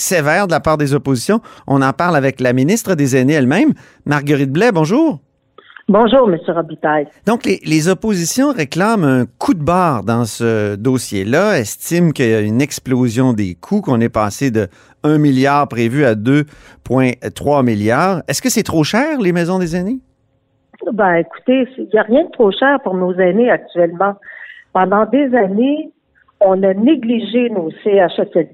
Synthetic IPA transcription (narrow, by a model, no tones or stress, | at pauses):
sevɛːʁd̪əlapaːʁd̪ezɔpozisjɔ̃ɔ̰̃nɑ̃paʁlavɛklaminist̪ʁəd̪ezɛneɛlmɛ̃mː | aʁɡəʁit̪̚blɛbɔ̃ʒuːʁ | bɔ̃ʒuːʁməsjøʁɔbit̪ajd̪̥ɔ̃klelezɔpozisjɔ̃ʁeklamɛ̃kʰud̪̚baːʁd̪ɑ̃səd̪osjelaɛst̪imkʲəjaynɛksplozjɔ̃d̪ḛkʰukɔ̃nɛpaːsed̪ə | œ̃miljaːʁpʁevyad̪øpwɛ̃t̪χʁwamiljaːʁɛskəsɛt̪χoʃɛːʁlemɛːzɔ̃d̪ezane | bɛ̃eku̥t̪esiljaʁjɛ̃d̪ət̪χoʃɛːʁpʊʁnozɛneak̚t̪yɛlmɑ̃pɑ̃d̪ɑ̃d̪ezane | ɔ̃naneɡliʒenoseaʃasɛl